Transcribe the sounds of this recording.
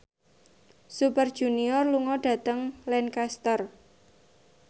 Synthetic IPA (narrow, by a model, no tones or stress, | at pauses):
supərd̥ʒ̥uniɔrluŋɔɖ̥ä̤t̪əŋlɛnkast̪ər